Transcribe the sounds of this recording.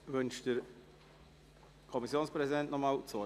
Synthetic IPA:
vʏnʃd̥əɾ | kʰɔmisjoːnspɾɛzidɛntnɔmaːlt͡so

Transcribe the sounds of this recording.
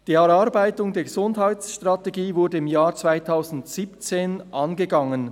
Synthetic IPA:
d̥iːɛɾaɾbaɪtʊŋdeːɐɡəzʊndhaɪt͡sʃtʁateɡiːvʊɐɾdəɪmjaːɾt͡sv̥aɪtʰaʊzn̩tsiːpt͡seːnʔanɡəɡaŋən

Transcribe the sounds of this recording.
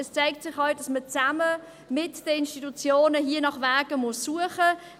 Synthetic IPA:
ɛst͡saɪk̚tsɪχhɑl̚dɑsmət͡samə | mɪtd̥əɪnʃtitut͡sjoːnəɦiːənɑχvaːɡəmʊsːuəχə

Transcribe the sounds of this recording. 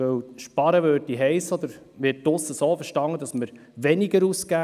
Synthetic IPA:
œwʃpɑɾəʋøːtiɦɛɪsɔd̪əɾ | ʋɪtːʊsːəsoːfəɾʃtɑŋːəd̪ɑsməɾ | ʋɛniɡəɾuskæː

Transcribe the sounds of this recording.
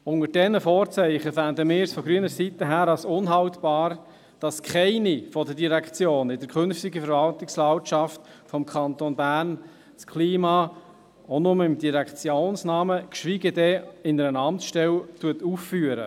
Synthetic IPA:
ʊŋəd̥ɛnəfɔːɾt͡sɛɪχəfændəmɪːɾsfɔɡ̥ɾyənəɾsit̪ːəɦæːɾɑlsʊnɦɑwtb̥ɑːɾ | d̥ɑskχɛɪnifɔdəɾdiɾækʰt͡sjoːnɪd̥əɾkʰʏnftɪɡəfəɾvɑltɪkslɑltʃɑft | fɔmkʰɑnt̪onbæːrn | skʰliːmɑː | onʊməɪmdiɾækt͡sjoːnsnɑːməkʃʋiɡədɛɪnəɾənɑmtsʃtɛltuətuːfːyːəɾə̰

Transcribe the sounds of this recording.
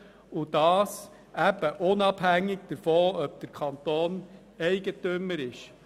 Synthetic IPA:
ud̥ɑːs | ʔæb̥əʔʊnɑbhæŋːɪɡd̥əɾfoːœb̥̚d̥̪əɾkʰɑnt̪oːn | ɛɪɡətʏmːəɾɪʃ

